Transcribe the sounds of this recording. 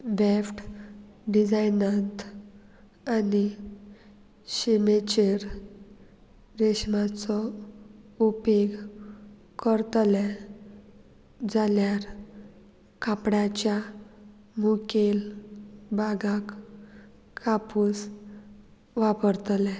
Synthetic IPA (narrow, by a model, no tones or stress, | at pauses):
ʋefʈɖid͡zajnat̪ | ani | ɕimet͡ɕeɾ | d̪eɕmat͡sɔ | upeɡ | kəɾt̪lɛ | d͡zaljaɾ | kapɽat͡ɕja | mukel | baɡakʰː | apus | ʋapəɾt̪lɛ